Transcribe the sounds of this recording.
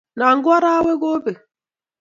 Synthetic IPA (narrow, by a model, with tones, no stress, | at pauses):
na˨ŋ̩˦ɡwa˦ɾa˦we˦ɡo˦be˨